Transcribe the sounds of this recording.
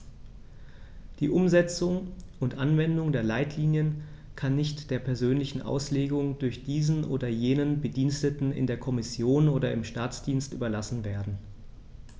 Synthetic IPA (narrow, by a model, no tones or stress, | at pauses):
d̥iːʔʊmzɛt͡sʊŋʔʊntʔanvɛndʊŋdeːɐlaɪtʰliːnjən | kʰanːɪçtd̥eːɐpʰɛɐzøːnlɪçn̩ʔa̰ʊsleːɡʊŋdʊɐçd̥iːzn̩ʔo̰ːdɐjeːnənbədiːnstətn̩ɪ̰ndeːɐkʰɔmɪsjoːnoːɾɐɪmʃtaːt͡sd̥iːnstʔy̰ːbɐlasn̩veːɐdn̩